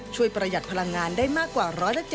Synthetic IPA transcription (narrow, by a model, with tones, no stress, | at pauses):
t͡ɕʰu˧˩əjpɾa˧ja˨˩t̪̚pʰa˧la˧ŋːaː˧ndaː˥˩jmaː˥˩kːwaː˨˩ɾɔː˦˥jla˧˥t͡ɕe˨˩